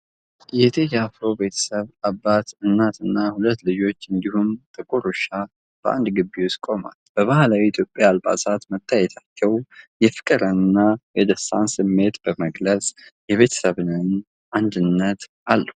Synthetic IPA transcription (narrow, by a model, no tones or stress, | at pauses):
jɛt̪ʰejɛafɾobe̞t̪ʰə̥səβabːat̪ɨnːat̪ɨnːahulət̪ːlɨd͡ʒo̞t͡ʃːɨnd̪ihumt̪ʼɨkʼuɾuʃa | b̥əʔa̰nd̪ɡɨbːiwskʼo̞ma̰lb̥əβahalawiit̪ʰjo̞pʼːjaːlba̰sat̪mət̪ʰːajɛt̪ʰat͡ʃːɛwjɛfɨ̥kʼɨɾənɨnːajɛd̪əsa̰nsɨmːe̞t̪b̥əməɡləsʼjɛβe̞t̪ʰə̥səβɨnɨn | ʔand̪ɨnːət̪ʔalːəh